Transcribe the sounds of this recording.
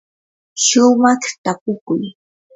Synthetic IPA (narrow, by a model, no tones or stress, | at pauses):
ʃʊmaχt̪akʊkʊj